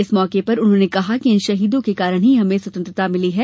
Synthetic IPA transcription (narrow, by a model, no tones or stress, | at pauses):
ɪsmɔːkepɐɾʊnɦõːnekɐɦakiɪnʃɐɦiːd̪õkekaːɾəɽ̃ɦiɦɐmẽswɐt̪ə̃nt̪ɾət̪amɪliɦɛː